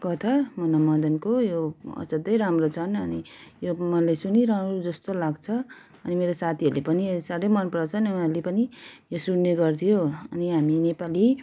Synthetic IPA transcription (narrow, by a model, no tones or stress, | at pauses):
kʌt̪ʰamʌnamʌd̪ʌnkojoʌ̰t͡sʌd̪ʌjɾamrot͡sʰʌnʌnijomʌlesuniɾamɾod͡zʌst̪olaɡt͡sʰʌ | ʌnimeɾosat̪ʰiɦʌɾlepʌnisaɾʌjmʌnpɾʌt͡sʰʌniunalepʌnijosunːeɡʌrt̪ʰijoʌniɦaminepali